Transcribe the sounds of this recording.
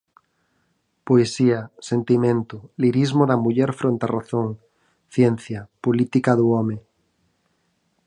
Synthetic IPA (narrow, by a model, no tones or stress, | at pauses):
poesiasent̪imẽnt̪oliɾizmoðamuʎɛɾfɾõnt̪araθoŋ | θjen̟θjapolit̪ikaðuɔme